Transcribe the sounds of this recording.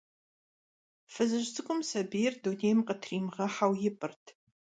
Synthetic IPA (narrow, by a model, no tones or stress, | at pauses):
fɨzɨʒt͡sʰʼɨkʷʼʊmsɐbijɛrduneːjmqətʰriːmʁɐħawjɪpʼɨrtʰ